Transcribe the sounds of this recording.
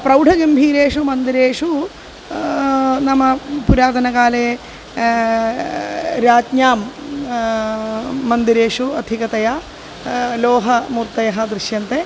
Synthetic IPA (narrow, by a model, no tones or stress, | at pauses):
pɾɐwɖʱɐɡɐmbʱiːɾeːʂumɐnd̪iɾeːʂu | nɐmɐpuɾaːd̪ɐnɐkaːleː | ɾaːt̪ɲjaːm | ɐnd̪iɾeːʂuɐd̪ʱikɐt̪ɐja | loːɦɐmuɾt̪ɐjɐɦɐd̪ɾiʃjɐnt̪eː